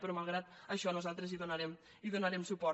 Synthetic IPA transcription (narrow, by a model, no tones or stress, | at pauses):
pɾɔmalˠɣ̞ɾat̪əʃɔnuzalˠt̪ɾəziðunaɾɛm | iðunaɾɛmsupɔ